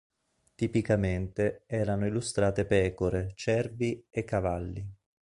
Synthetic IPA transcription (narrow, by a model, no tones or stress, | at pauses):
t̪ipikament̪eɛːɾanoilːust̪ɾaːt̪epɛːkoɾet͡ʃɛrviekːavalːi